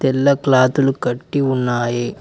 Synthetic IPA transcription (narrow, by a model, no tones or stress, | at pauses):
t̪ɛlːɐklaːt̪ulukɐʈːiunːaːji